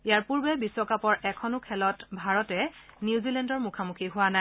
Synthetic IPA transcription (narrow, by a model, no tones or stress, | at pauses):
ijaɹpuɹbɛbiswɔkapɔɹɛkʰɔnʊkʰɛlɔtbʱaɹɔtɛ | niuzilɛndɔɹmukʰamukʰiɦʊwanaj